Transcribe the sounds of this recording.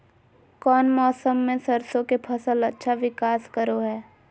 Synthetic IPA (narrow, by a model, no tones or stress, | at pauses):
kɔːnmɔːsəmːẽsəɾsõkepʰɐsəlɐtːʃʰaʋɪkaːskəɾoɦɛː